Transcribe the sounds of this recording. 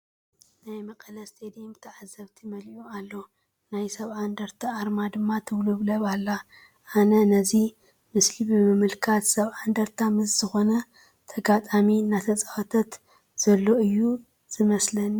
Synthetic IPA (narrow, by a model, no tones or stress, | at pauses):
najmɐkʼɐlɐst̪ʼed̪imt̪ʰɐʕazːɐβt̪ʰimɐlualːo̞ | najsɐβʕand̪ɐɾt̪ʰaaɾmad̪ɨmːat̪ʰɨwluβlɐβalːa | ʔanɐnɐzi | mɨslibɨmɨmɨlkʰat̪sɐβʕand̪ɐɾt̪ʰamɨsz̥ɨxo̞nɐ | t̪ʰɐɡat̪ʼaminat̪ʰɐt͡sʼɐfɐt̪ʰɐt̪ | z̥ɐlːo̞ɨjːu | z̥ɨmɐslɐn